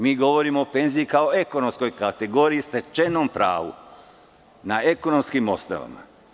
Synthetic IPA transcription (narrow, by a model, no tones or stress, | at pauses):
miːɡo̞ʋo̞ɾimoope̞nzijikao̞e̞kono̞msko̞jkat̪e̞ɡo̞ːɾijist̪e̞t͡ʃenompɾa̰ːʋṵ | nae̞ko̞no̞mskimo̞st̪a̰ʋa̰ma̰